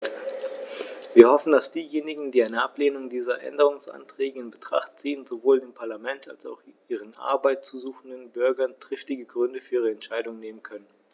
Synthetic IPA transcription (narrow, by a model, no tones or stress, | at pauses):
viːɐhɔfn̩dasd̥iːjeːnɪɡŋ̩diːaɪnəʔapleːnʊŋdiːzɐʔɛ̰ndəʁ̞ʊŋsʔa̰ntʁ̥ɛːɡəɪnbətʁ̥a̰χtt͡siːənzovoːldeːmpʰaɐlamɛnta̰lsa̰ʊxʔiːʁ̞ənʔa̰ɐbaɪt̚t͡suzuːxn̩dənbʏɐɡɐntʁ̥ɪftɪɡəɡʁʏndəfyːɐiːʁəɛntʃaɪdʊŋneːmənkʰœnən